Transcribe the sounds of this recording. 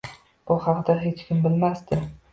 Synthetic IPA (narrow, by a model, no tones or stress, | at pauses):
b̥ʊhɑqd̪aɦet͡ʃkʲɪmbɪlmast̪ɪ